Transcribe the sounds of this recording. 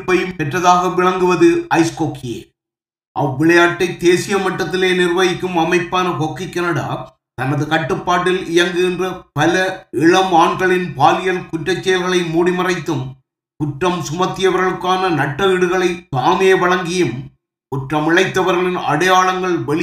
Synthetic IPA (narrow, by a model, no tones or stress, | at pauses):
pːɐjɯmpɛʈrɐðaːɣɐʋɪɭɐŋɡɯʋɐðɯɐɪskoːkɪjḛː | ʔɐ̰ʋːɪɭɐjaːʈːɐɪt̪eːsɪjɐmɐʈːɐt̪ːɪleːnɪrʋɐjɪkːɯmɐmɐɪpːaːnɐkokːɪkʲːɐnɐɽa̰ː | t̪ɐnːɐðɯkɐʈːɯpːaːʈːɪlɪjɐŋɡɪndrɐpɐlɐɪɭɐmaːɳɡɐɭɪnpaːlɪjɐnkʊʈrɐt͡ʃːɐjɐlɣɐɭɐɪmuːɽɪmɐrɐɪt̪ːɯm | kʊʈrɐmsʊmɐt̪ːɪjɐʋɐɾɣɐɭɯkːaːnɐnɐʈːɐɪɽɯɣɐɭɐɪt̪aːmɪjeːʋɐɭɐŋɡɪjɯm | kʊʈrɐmɪɭɐɪt̪ːɐʋɐɾɣɐɭɪnɐ̰ɽɐjaːɭɐŋɡɐɭʋɐɭɪ